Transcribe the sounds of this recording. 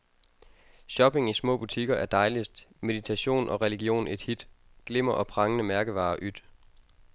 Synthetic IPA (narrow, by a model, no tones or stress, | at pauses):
ɕɒ̽b̥e̝ŋismɔ̰̽ːb̥ut͡sʰiɡ̥ɐæɐd̥ɑ̈ɪlisd̥me̝ðit͡sʰæɕo̝̰ːnʔɒ̽ʁɛliɡ̥jo̝̰ːne̝d̥hid̥ | ɡ̥le̝m̰ɐʔɒ̽pʰʁɑ̈ŋənəmæɐɡ̥əʋɑ̰̈ːʔyd̥